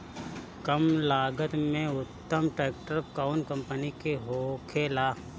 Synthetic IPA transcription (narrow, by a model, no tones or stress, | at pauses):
kəmlaːɡət̪mẽʊt̪ːəmʈɾeːk̚ʈəɾkaːnkə̃mpənikeɦoːkʰeːlaː